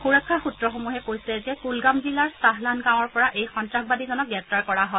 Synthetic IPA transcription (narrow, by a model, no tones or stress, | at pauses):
xuɹakʰːaxutɹɔxomuɦɛpojsiɛzɛkulɡambilaɹsaɦlanɡaw̃ɔɹpɔɹaʔejxɔntɹax̚badizɔnɔk̚ɡɹɛp̚taɹkɔɹaɦɔ